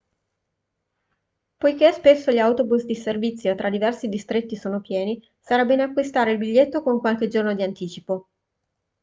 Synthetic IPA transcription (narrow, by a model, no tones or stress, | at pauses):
pojk̟espesːoʎiawt̪obusd̪iservit̪sːjot̪ɾad̪ivɛrsid̪ist̪ɾet̪ːisoːnopjɛːni | saɾɛbːenoakːwist̪aːɾeilbiʎːet̪ːokouŋkwalk̟ed͡ʒornod̪iant̪iːt͡ʃipo